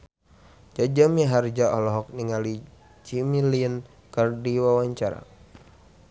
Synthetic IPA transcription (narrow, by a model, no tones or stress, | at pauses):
d͡ʒad͡ʒamiɦard͡ʒaɔ̰lɔɦɔk̚niŋali | t͡ʃimiliən | kərdiwawaɲt͡ʃaɾa̰